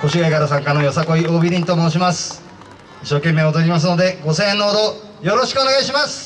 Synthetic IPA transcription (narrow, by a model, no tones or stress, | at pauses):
ko̞ɕiaɡaɾas̬ãŋkanojosako̞ioːbʲiɾʲĩt̪o̞moːɕ̬imasɨ̥ | iɕːo̞ːkẽ̞mːe̞ːod̪oɾʲimas̬no̞d̪e̞ɡo̞sẽːnːoːd̪o̞ | jo̞ɾo̞ɕi̥kɯ̟o̞ne̞ɡaiɕimasɨ̥